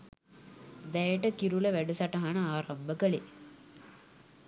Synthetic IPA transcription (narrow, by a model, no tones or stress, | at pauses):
d̪ɐjɐʈɐkiɾulɐʋɛɖɐsɐʈɐɦɐɳɐaːɾɐmbʱɐkɐɭe